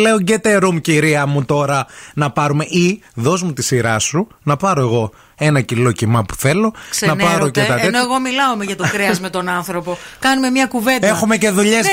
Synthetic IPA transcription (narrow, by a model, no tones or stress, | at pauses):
le̞oɲɟet̪e̞ɾumciɾiɐmut̪o̞ɾɐnɐpɐɾume̞ʔiðo̞zmut̪isiɾɐsu | nɐpɐɾo̞e̞ɣo̞ | e̞nɐcilo̞cimɐpu̥θe̞lo̞nɐpɐɾocet̪ɐenoeɣo̞milɐomeʝɐt̪okɾeɐzme̞t̪o̞nɐnθɾo̞po̞kɐnume̞mɲɐkuve̞nexume̞ce̞ðuʎes